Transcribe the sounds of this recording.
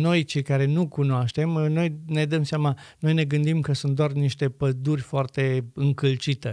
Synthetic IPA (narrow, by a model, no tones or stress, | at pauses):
no̞jt͡ʃe̞jkaɾe̞nukunoaʃt̪e̞mno̞jne̞d̪əmseamano̞jne̞ɡɨnd̪imkəsunt̪d̪oarniʃt̪e̞pəd̪urʲfoart̪e̞ɨŋkɨlt͡ʃit̪e